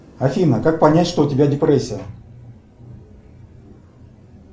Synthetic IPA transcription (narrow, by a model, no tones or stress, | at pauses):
ɐfʲinəkak̚pɐnʲætʲʂt̪oʊtʲɪbʲadʲɪpɾɛsʲːɪjə